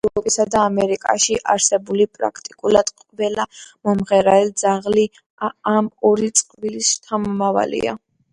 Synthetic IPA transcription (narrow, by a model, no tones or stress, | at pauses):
vɔpʼisad̪aːmɛɾikʼa̰ʃiʔaɾsɛbulipʼɾa̰kʰt̪ʼikʼulˠad̪̥qʼvɛlamɔmʁɛɾaɛld̪zaʁli | amɔɾit̪sʼqʼvilist̪ʰamɔmava̰lḭa̰